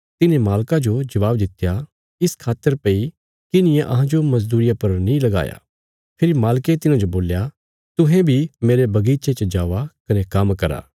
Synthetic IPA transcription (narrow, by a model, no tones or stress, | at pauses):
t̪ɪnẽmaːlkad͡ʒod͡ʒɐʋaːbd̪ɪt̪ja | ɪskʰaːt̪ːəɾpɐi | kɪnɪ̃jẽʔɐɦãd͡ʒomɐz̬d̪uːɾɪjapɐɾnĩlɐɡa̰ːja̰ | pʰɪɾimaːlket̪ɪnãd͡ʒoboːlja | t̪ʊɦẽbʱimeːɾebɐɡiːt͡ʃet͡ʃəd͡ʒaːʋakɐnekɐmkɐɾa̰ː